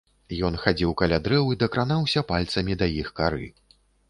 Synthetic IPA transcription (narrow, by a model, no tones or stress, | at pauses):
jɔnxad͡zʲiwkalʲad̪ɾɛwid̪ɐkɾanawsʲɐpalʲt̪sɐmʲid̪ɐjixkaɾɨ̰